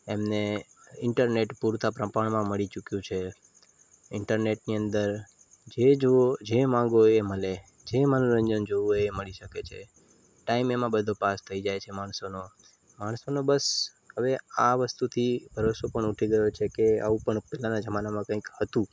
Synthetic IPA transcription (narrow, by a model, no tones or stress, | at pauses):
emne | ɪɳʈəɾneʈpuɾt̪apɾəpaɳ̃mãməɭit͡ʃukjũt͡ʃʰe | ɪɳʈəɾneʈniənd̪əɾ | d͡ʒed͡ʒod͡ʒemãŋɡoeməle | d͡ʒemənũɾəɲd͡ʒənd͡ʒooeməɭiʃəket͡ʃʰḛ | ʈaimemãbəd̪ʱopast̪ʰəid͡ʒajt͡ʃʰemaɳ̃sono | maɳsonobəs | həʋeaʋəst̪ut̪ʰibʱəɾosopəɳuʈʰiɡəjot͡ʃʰekea̰ʋũpəɳpɛlanad͡ʒəmanamãkə̃ĩkhət̪ũ